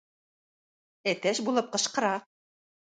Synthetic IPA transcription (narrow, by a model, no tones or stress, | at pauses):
æt̪æʃbulˠɤp̚qɤ̆ʃqɤ̆ɾɑ